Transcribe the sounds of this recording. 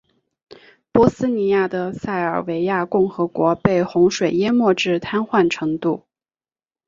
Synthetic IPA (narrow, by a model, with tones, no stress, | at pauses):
pwɔ˥sɹ̩˥ni˧˥ja˥˩d̪ə˩sa˥˩ɪə˞˨˩we˧˥ɪja˥˧kʊ˥˩ŋxɤ˧˥kwɔ˧˥pe˥˩ɪxʊ˧˥ŋʂwe˨˩ɪjɛ˥mwɔ˥˧ʈ͡ʂɻ̩˥˩t̪ʰa˥nxwa˥˩nʈ͡ʂʰɤ˧˥ŋt̪u˥˩